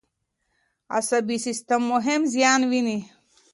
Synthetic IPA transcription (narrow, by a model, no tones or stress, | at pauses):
ɐ̰sɐbisist̪ɐmːoɦemzjaːnwini